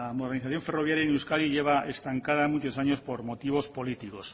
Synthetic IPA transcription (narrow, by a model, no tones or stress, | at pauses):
amoðɾniθaθjoɱfe̞roβ̞jaɾjainewskaliʎeβ̞aest̪aŋkaðamut͡ʃosaɲospoɾmot̪iβ̞ospolit̪ikos